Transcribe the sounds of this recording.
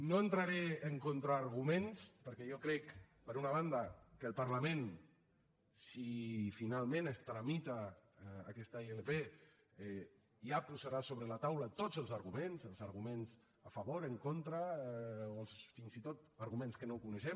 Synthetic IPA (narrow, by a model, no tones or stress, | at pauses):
noent̪ɾaɾeəŋkont̪ɾaːɾɣumẽnspəɾkɛjokɾɛkpəɾunaβand̪akəlˠpaɾlamẽn | sifinalˠmẽnəst̪ɾamit̪a̰ː | kɛst̪aielepe | ʒapuzaɾasoβɾəlat̪awlət̪ozəlˠzaɾɣumenzəlˠzaɾɣumenz | afaβoɾəŋkont̪ɾaoəlˠsfinzit̪ot̪əɾɣumẽnskənokunəʃɛm